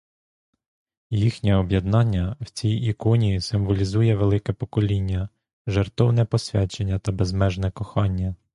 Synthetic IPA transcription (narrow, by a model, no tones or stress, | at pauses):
jixnʲɛɔbjɐd̪nɑnʲːɐwt͡sʲijikɔnʲijisɪmʋɔlʲizujɛʋelˠɪkɛpɔkɔlʲinʲːɐ | ʒert̪ɔwnɛpɔsʲʋʲɑt͡ʃenʲːɐt̪ɐbɛzmɛʒnɛkɔxɑnʲːɐ